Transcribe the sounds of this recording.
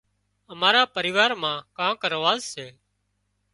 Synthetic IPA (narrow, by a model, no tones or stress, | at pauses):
əmaːɾaːpəɾɪːʋaːɾmãːkãːkəɾʋaːzseː